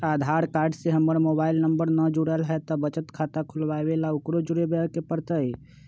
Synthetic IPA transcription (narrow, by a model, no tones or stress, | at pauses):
ad̪ʱaɾkaɾɖseɦəmːəɾmobailnəmbəɾnəd͡ʒuɽəlɦɛt̪ɔbət͡ʃət̪kʰat̪akʰulbabelaukɾod͡ʒuɾebekepəɾt̪əj